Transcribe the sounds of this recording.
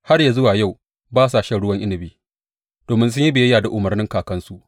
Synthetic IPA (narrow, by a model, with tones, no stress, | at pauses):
ha˦rja˨zʊ˦waː˨ja˦˨w | baː˦sa˨ʃɛ˦˨ɽʊ˦wɐ˦ŋʔɪ˦nɪ˨biː˦ | d̥oː˨mɪ˦ns̬ʊ˦ɲji˦bɪ˨jɐ˦jaː˨da˨ʔʊ˨mɐ˨rnɪ˦ŋkaː˨kɐ˦nsu˦ʔ